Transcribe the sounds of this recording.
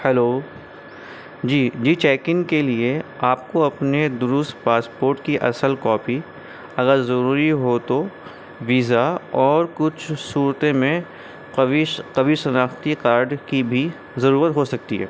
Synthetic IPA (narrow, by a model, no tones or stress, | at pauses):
hɛloː | d͡ʒiːd͡ʒiːt͡ʃɛːkɪ̃ŋkelie | aːp̚koɐpned̪ʊɾʊst̪paːspoːɾʈkiʔɐsəlkɔːpi | ɐɣəɾzɐɾuːɾiɦot̪o | ʋiːzaɔːɾkʊt͡ʃʰsuːɾt̪ẽmẽ | iqɐʋiʃɐnaːxt̪ikaːɾɖkibʱi | zɐɾuːɾət̪ɦosɐk̚t̪iɦɛ̰ː